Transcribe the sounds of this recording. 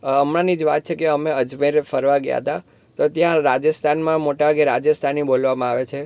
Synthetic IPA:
əmɾanid͡ʒʋat̪̚t͡ʃʰekeəmeəd͡ʒmeɾefəɾʋaɡja̰ɦət̪a | t̪ot̪jãɾad͡ʒəst̪ʰanmãmoʈaaɡeɾad͡ʒəst̪ʰanibolʋamãaʋet͡ʃʰe

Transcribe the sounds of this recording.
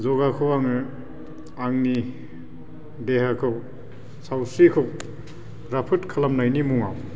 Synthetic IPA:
zɔɡakʰɯwaŋɯ | aŋni | dehakʰɯw | sawsikʰɯw | ɾapʰɯtkʰalamnajnimuŋaw

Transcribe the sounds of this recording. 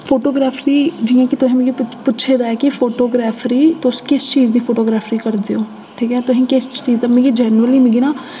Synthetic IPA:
pʰoːʈoːɡɾaːpʰɾiːd͡ʒiːãːkɪt̪ʊsĩːmẽːɡiːpʊtːʃʰeːd̪aːɛːkɪpʰoːʈoːɡɾaːpʰɾiːt̪ʊskɪst͡ʃiːzd̪iːpʰoːʈoːɡɾaːpʰɾiːkəɾd̪eːoː | ʈʰiːkɛ̃ːt̪ʊɦĩːkɪst͡ʃiːzd̪aːmẽːɡiːd͡ʒɛːnɾəliːmẽːɡiːnaː

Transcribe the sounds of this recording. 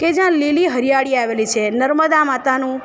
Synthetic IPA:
ked͡ʒjãliliɦəɾijaɭiaʋelit͡ʃʰenəɾməd̪amat̪anũ

